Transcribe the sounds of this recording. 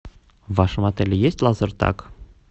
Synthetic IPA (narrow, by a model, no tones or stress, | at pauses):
vɑʃmɑt̪ɛlʲijɛst̪lɑzəɾt̪ɑ̰k